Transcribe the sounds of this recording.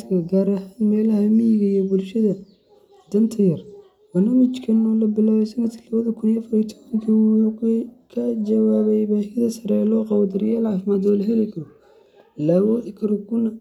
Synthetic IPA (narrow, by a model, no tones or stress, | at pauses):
kʰɐɡaːɾɐɦaːnmɛːlɐhɐmijɣɐijɔbʊlʃɐðɐ | d̪ɐnt̪ʰɐjɐr | b̥ɐrnaːmɪt͡ʃkʰɐnːɔlɐbɪlaːwɛsɐnɐt̪kʰilɐβɐðɐkʰʊniɐfɔɾit̪ʰɔβɐŋkʰɐwukkʰɐd͡ʒɐwaːβɛjbaːhjɐðɐsɐɾɛlɔːqɑβɐd̪ɐɾjaːlʕɑːfɪmaːd̪ɔlɐɦɛlɪkʰɔ | laːwɔːʔɪkʰɾɔɡʊnɐ